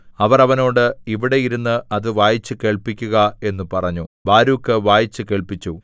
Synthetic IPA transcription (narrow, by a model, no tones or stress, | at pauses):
ɐʋɐrɐʋɐno̞ːɽɨiʋiɽe̞jiɾunːɨɐðɨʋaːjit͡ɕːɨke̞ːɭpikʲːuɣɐe̞nːupɐrɐɲːubaːɾuːkːɨʋaːjit͡ɕːɨke̞ːɭpit͡ɕːu